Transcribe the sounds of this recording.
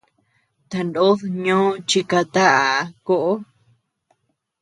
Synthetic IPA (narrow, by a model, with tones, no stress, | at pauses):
t̪a˧ndo˦ðɲõ˦t͡ʃi˧ka˧t̪a˦ʔa˨ko˦˧ʔo˦